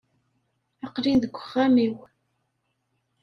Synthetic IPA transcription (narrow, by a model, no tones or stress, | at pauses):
ɑqːlinðəɡʷːəχːæmiw